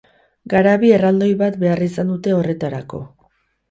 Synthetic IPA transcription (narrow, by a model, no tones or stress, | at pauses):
ɡaɾaβie̞rald̪o̞jβat̪be̞arisand̪ut̪e̞o̞re̞t̪aɾako̞̰